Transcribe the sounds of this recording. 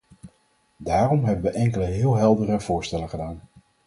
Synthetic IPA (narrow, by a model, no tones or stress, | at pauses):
daːrɔmɦɛbənʋəʔɛŋkələɦɪːlˠɦɛlˠdərəv̥ʊːɹstɛləχədaːn